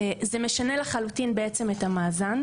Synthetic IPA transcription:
zemeʃane̞leχalutinbeet͡se̞methamaːzan

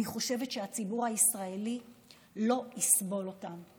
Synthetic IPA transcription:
niχo̞ʃe̞ve̞tʃeat͡sibuʁhaisʁae̞li | lo̞isbo̞lo̞tam

